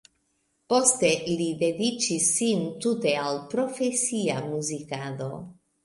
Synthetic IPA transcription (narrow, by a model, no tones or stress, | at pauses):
po̞st̪e̞ʔilide̞dit͡ʃisːint̪ut̪e̞alpɾo̞fe̞siamuzikado̞